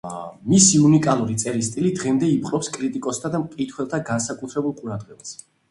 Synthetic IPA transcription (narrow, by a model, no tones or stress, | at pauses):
misiunikʼalˠuɾit̪sʼɛɾist̪ʼilid̪ʁɛmd̪ɛip̚qʼɾɔpskʼɾit̪ʼikʼɔst̪ʰad̪amkʼit̪ʰwɛlˠt̪ʰaɡansakʼut̪ʰɾɛbulˠqʼuɾad̪ʁɛbas